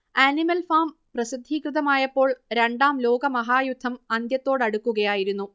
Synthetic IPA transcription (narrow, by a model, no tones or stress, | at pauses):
ænimɐlfaːm | prɐsid̪ʱːiːkrɨðɐmaːjɐpːo̞ːɭɾe̞ɳɖaːmlo̞ːɡɐmɐɦaːjud̪ʱːɐmɐnd̪jɐt̪ːo̞ːɽɐɽukːuɣɐjaːjiɾunːu